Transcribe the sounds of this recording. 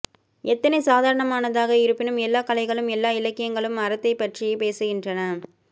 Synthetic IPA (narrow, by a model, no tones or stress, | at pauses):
ɛt̪ːɐnɛɪsaːðaːɾɐɳɐmaːnɐðaːɣɐɪɾɯpːɪnɯmɛlːaːkɐlɐɪɣɐɭɯmɛlːaːɪlɐkːɪjɐŋɡɐɭɯmɐɾɯt̪ːɐɪpːɐʈrɪjepeːsɯɣɪndrɐnɐ